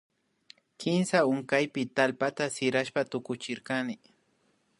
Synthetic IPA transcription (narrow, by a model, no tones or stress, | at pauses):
kʰɪnsaʊŋkajpɪt̪alpat̪asɪɾaʃpat̪ʊkʊt͡ʃɪɾkanɪ